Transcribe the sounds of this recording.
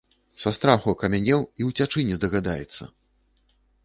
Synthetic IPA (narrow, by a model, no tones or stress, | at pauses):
sast̪ɾaxuɐkɐmʲanʲɛwiwt͡sʲat͡ʂɨnʲizd̪ɐɣad̪ajɛ̰t̪sːɐ̰